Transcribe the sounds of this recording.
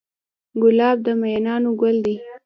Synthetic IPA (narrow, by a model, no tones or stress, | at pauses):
ɡʊlɑb̚d̪əmajnɑnoɡald̪i